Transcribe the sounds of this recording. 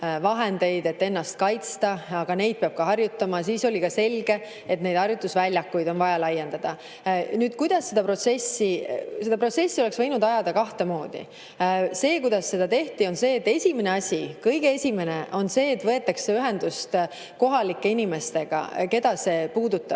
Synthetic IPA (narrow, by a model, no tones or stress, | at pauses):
vɑɦe̞nd̪e̞jd̪e̞t̪ːe̞nːɑst̪̚kɑjt̪st̪ɑɑɡ̥ɑne̞jd̪̚peɑb̥̚kɑɦɑrjut̪ːˑɑmɑs̬iːso̞lʲikɑse̞lʲɡ̥e̞ | et̪ne̞jd̪ɑrjut̪ːˑusvælʲjɑkːujd̪o̞nvɑjɑlɑjːe̞nd̪̥ɑd̪̥ɑ | nyːd̪kujd̪̥ɑsːe̞d̪̥ɑpro̞t̪se̞sːise̞d̪ɑpro̞t̪se̞sʲːio̞le̞ksvɤjnud̪ɑjɑd̪̥ɑkɑht̪e̞mo̞ːd̪̥ḭ | se̞ːkujd̪̥ɑsːe̞d̪̥ɑt̪e̞ht̪io̞nse̞ːt̪ːe̞sʲimene̞ɑsʲikɤjɡ̥eesʲime̞ne̞ʔo̞nse̞ːt̪ːvɤe̞t̪ːˑɑksːeyɦe̞nd̪̥ust̪ | ko̞ɦɑlikːe̞inime̞st̪e̞ɡ̥ɑ̰ke̞d̪̥ɑse̞ːpuːd̪ut̪ːˑɑ̥